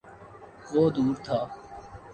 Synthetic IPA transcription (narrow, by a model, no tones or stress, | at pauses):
ʋoːd̪uːɾt̪ʰaː